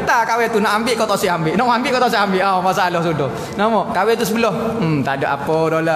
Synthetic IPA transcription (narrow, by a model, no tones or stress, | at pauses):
ət̪akawɛt̪unaʔambɪʔkɔt̪ɔʔsiʔambɪʔnɔʔmambɪʔkɔʔt̪ɔʔs̬iambɪʔamas̬alɔhsudɔh | namɔkawɛt̪us̬əbəlɔht̪adoʔa̰pɔdola